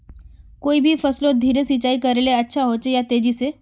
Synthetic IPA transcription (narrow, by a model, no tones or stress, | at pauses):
koːibʱifəslõd̪ʱiːɾesit͡ʃaikəɾeleətːʃʰaɦot͡ɕejat̪eːd͡ʑise